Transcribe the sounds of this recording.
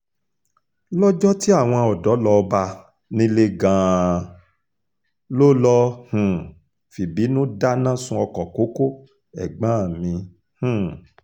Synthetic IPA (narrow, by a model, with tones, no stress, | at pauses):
lɔ˦d͡ʒɔ˦ti˦a˦˨w̃ɔ̃˧ɔ˨dɔ˨˦lɔ˧ba˧ | nĩ˧˦le˦ɡã˧˦ | lo˦lɔ˧˦hũ˨ | fi˨bi˨˦nũ˦da˦nã˦˨sũ˧˦ɔ˧kɔ˨ko˨˦ko˦ | ɛ̰˨ɡ͡bã˨˦˨mĩ˧ | h̩˨